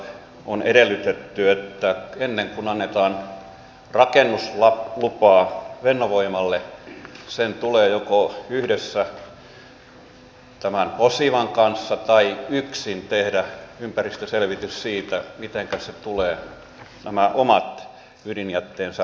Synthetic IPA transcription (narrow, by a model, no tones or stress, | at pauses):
oneɾelːˑyt̪et̪ːyet̪ːæenːeŋkunɑnːet̪ɑːn | rɑkenːuslɑlupɑːʋenːoʋoimɑlːe | sent̪uleːjokoyhdesːæ | t̪æmæmposiʋɑŋkɑnsːɑt̪ɑiyksint̪ehdæympærist̪øselʋit̪yssiːt̪æmit̪eŋkæset̪uleː | næmæʔomɑt̪ | ydinjæt̪ːeːnsɑ